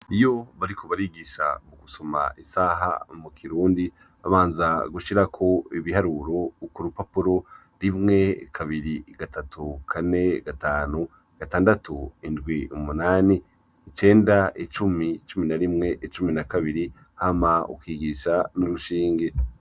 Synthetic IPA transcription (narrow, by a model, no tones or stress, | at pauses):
ijo̞βaɾikʰo̞βaɾiɡiʃa̰muɡuso̞ma̰isaːɦa̰mukʰiɾuːndi | aβaːnzaɡuʃiɾakʰo̞iβihaɾuɾo̞kuɾupapuɾo̞ | ɾimŋe̞kʰaβiɾiɡ̥atʰatukʰane̞ɡ̥ataːnu | ɡ̥ataːndatuindɡwiumunaːniː | t͡ʃe̞ːndait͡ʃumit͡ʃuminaɾimŋe̞ʔit͡ʃuminakaβiɾi | hamaṵkwiːɡiːʃanuɾuʃiːŋɡe